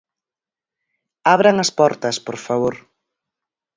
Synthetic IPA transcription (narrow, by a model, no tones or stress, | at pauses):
aβɾɐŋɐspɔɾt̪ɐspoɾfaβ̞oɾ